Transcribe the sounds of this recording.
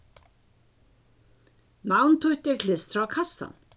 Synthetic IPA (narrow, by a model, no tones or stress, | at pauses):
nawnt̪ʰʊht̪ɛkʰlɪst̪ɾakʰasa̰n